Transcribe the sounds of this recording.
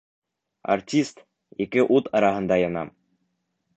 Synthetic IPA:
a̰rtʲist̪ | ikɘʔut̪ɑɾɑɦɤ̆nd̪ɑjɑnɑ̰m

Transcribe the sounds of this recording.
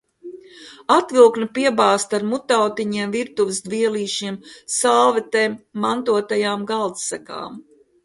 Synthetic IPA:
at̪vilˠknɐpiɛbaːst̪aɾmut̪awt̪iɲiɛmviɾt̪uvɪsd̪viɛlˠiːʃiɛmsaːlˠvɛt̪eːmːant̪uɔt̪ajaːmɡalˠt̪sæka̰ːm

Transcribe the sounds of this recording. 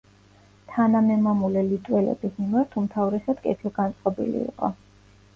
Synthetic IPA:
t̪ʰanamɛmamulɛlit̪ʼwɛlɛ̰bismimaɾt̪ʰumt̪ʰavɾɛsad̪̥kʼɛt̪ʰilˠɡant̪sʼqʼɔbḭlḭḭqʼɔ

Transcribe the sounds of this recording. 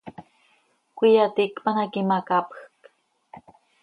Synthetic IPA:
kʷijat̪ikpanakimakapxk

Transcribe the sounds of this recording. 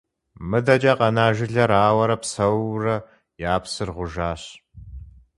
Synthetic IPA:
mɨdɐd͡ʒʼɐqɐnaːʒɪɮɐɾaːwɐɾɐpsɐwrɐ | jaːpsɨrʁʷʊʒaːɕ

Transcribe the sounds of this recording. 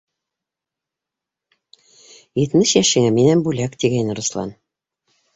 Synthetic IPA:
jɘ̆t̪mɘʃjæʃɘ̆ŋɘminænbulækt̪iɡæjnɘ̆ɾŏslˠɑ̰n

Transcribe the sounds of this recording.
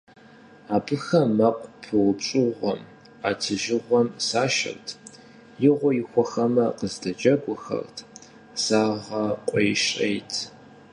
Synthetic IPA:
aːbɨxɐmːɐqʷʼpʰɨwʷʊpɕʼɨʁʷɔm | aːtʰɨʒɪʁʷɔmsaːʃɐ̰rtʰ | jɪʁʷɔjɪxʷɔxɐmɐqəzdɐd͡ʒʼɐɡʷʊxɐ̰rtʰ | saːʁɐqʷʼɔjʃʼejtʰ

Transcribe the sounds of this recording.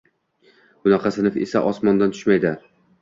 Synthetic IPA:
bʊnɑqʰɑsɪnɪfḛsa̰ʔɒsmɒnd̪ant̪ʰʊ̥ʃmajd̪ɪ

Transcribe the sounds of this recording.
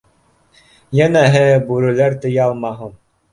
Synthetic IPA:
jænæɦɘbʉɾɘ̆læɾt̪ɤ̆jɑlˠmɑɦɤm

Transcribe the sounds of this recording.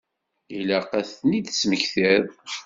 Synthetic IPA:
ilæqæθnid̪sməçθiɾ

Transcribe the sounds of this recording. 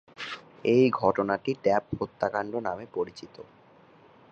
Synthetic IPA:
ejɡʱɔʈonaʈiɖɛphot̪ːakaɳɖonamepoɾit͡ɕit̪o̰

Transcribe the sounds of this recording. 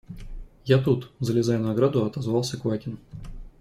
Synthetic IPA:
jat̪ut̪zəlʲɪzajʊnɐɡɾad̪ʊɐt̪ɐzvɑlˠsʲəkvatʲɪn

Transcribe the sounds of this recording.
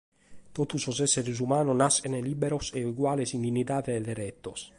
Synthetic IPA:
t̪ot̪usosɛsːeɾes̬umaːnonasenelibeɾoseuɡwaːlesind̪inːit̪aːðeːd̪eɾɛt̪ːos

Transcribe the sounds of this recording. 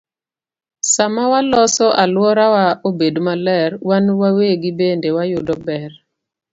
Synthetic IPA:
samawalɔsɔʔalwɔɾawaʔobedmalɛɾwanwaweɡɪbendewajʊdɔbɛr

